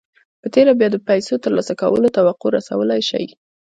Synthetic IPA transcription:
pət̪eɾabjɑd̪əpajsot̪əɾlɑ̰saka̰wə̰lot̪awaqoɾasa̰wəlajʃa̰j

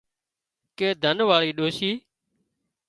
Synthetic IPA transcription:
kẽːd̪ʱənʋaːɭiːɗoːsiː

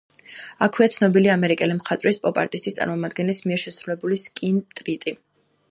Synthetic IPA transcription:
akʰwiat̪sʰnɔbiliamɛɾikʼɛlimχat̪ʼvɾispʼɔpʼa̰ɾt̪ʼist̪ʰʼist̪sʼa̰ɾmɔmad̪ɡɛnlismiɛɾʃɛsɾulɛbuliskʼint̪ʼɾit̪ʼi

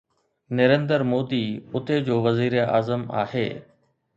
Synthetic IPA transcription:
nɐɾẽːnd̪əɾmoːd̪iːʊt̪ʰed͡ʑoːʋɐziːɾea̰ːzəma̰ːhḛː

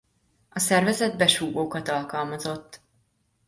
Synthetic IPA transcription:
ɒsɛrvɛzɛd̪̚bɛʃuːɡoːkɒt̪ɒlkɒlmɒzo̞t̪ː

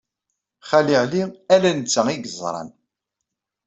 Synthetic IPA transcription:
χælɪʕliælænt͡sːæiɡəzˤɾˤɑ̰n

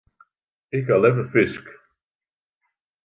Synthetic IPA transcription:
ɪkalɛvəfɪsk

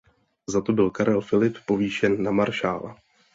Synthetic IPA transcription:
zat̪o̞bɪlkaɾɛlfɪlɪppo̞viːʃɛnːamaɾʃaːla̰

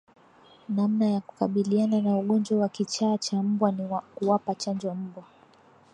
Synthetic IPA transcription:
namnajaku̥kaɓiliananauɠɔnd͡ʒwawakit͡ʃaːt͡ʃam̩ɓwanikuwapat͡ʃand͡ʒɔm̩ɓwa

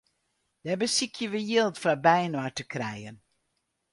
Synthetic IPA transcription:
d̥ɛbəsikʰjəʋəjɪlˠtfrabɛjənwatəkrɛjən

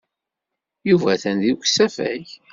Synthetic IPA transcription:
juvæθænðiçsæfæ̰ʝ

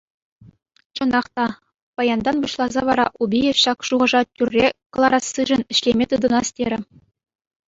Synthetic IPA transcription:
t͡ɕɤ̆nɑχt̪ɑ | pɑjɑnd̪ɑnbuɕlˠɑzɑʋɑɾɑ̰ʔubʲijɘ̆ɕɑkʂuʁɤ̆ʐɑtʲyrʲːekɤ̆lˠɑɾɑsːɯʐɘ̆nɘ̆ɕlʲemʲet̪ɯd̪ɤ̆nɑstʲeɾʲɘ̆

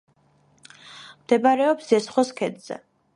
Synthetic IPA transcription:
md̪ɛbaɾɛɔpsɛsχwɔskʰɛd̪z̥ɛ̰

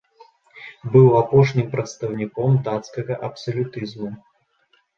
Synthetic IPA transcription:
bɨwapɔʂnʲimpɾɐt̪st̪ɐwnʲikɔmd̪at̪skɐɣɐʔɐpsɐlʲut̪ɨzmu

